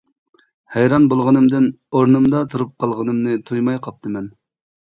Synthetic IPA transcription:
hɛjɾɑnbolˠʁənɨmd̪ɪn | oɾnɨmd̪ɑt̪ʰuɾup̚qʰɑlˠʁənɨmnɨt̪ʰujmɑjqʰɑp̚t̪ʰɨmɛn

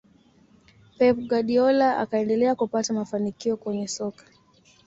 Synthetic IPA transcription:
pɛpɡaɗiɔlaa̰kaɛndɛlɛakupatamafanikiɔkwɛɲɛsɔkḁ

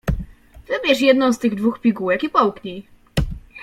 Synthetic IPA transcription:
vɘbʲjɛʂjɛd̪nɔ̃w̃st̪ɘɣd̪vuxpʲiɡuwɛkipɔwkɲi

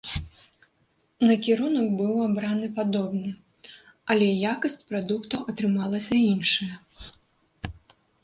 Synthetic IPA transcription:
nɐkʲiɾunɐkbɨwabɾanɨpad̪ɔbnɨ | ɐlʲɛjakɐsʲt͡sʲpɾad̪ukt̪ɐwʔɐt̪ɾɨmalˠɐsʲɐinʂɐjɐ

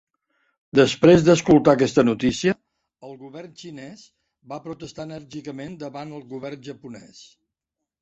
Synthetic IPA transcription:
d̪əspɾezd̪əskulˠt̪akɛst̪ənut̪isiə | əlˠɣuβɛrnt͡ʃinɛs | bapɾut̪əst̪aənəɾʒikəmend̪əβanəlˠɣuβɛrnʒəpunɛs

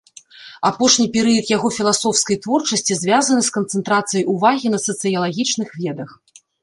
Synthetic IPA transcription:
apɔʂnʲipʲɛɾɨjɐt̪jaɣɔfʲilˠasɔwskɐjt̪vɔrt͡ʂɐsʲt͡sʲizʲvʲazɐnɨskɐnt̪sɛnt̪ɾat̪sɨjɐjuvaɣʲinɐtsɐt̪sɨjɐlˠaɣʲit͡ʂnɨxvʲɛd̪ɐx

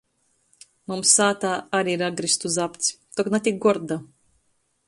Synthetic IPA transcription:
mumsaːt̪aːaɾiɾaɡɾist̪uzapt̪sʲt̪ɔknat̪ʲik̚ɡɔɾd̪a

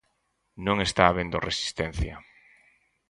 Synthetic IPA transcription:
nõŋest̪aːβend̪oresi̥st̪en̟θja

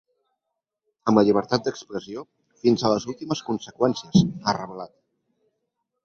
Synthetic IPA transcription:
əmləʎiβ̞əɾt̪at̪̚d̪əkspɾəzio | finzələzulˠt̪iməskunsəkwɛnsiəzarəβlat̪̚

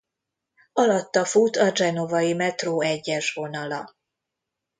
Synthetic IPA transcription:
ɒlɒt̪ːɒfuːt̪ɒd͡ʒɛno̞vɒjimɛt̪roːɛɟːɛʃvo̞nɒlɒ

